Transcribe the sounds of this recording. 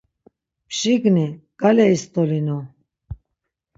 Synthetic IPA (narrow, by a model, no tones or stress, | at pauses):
pʰʃiɡniɡ̥alɛist̪ʼɔlinɔ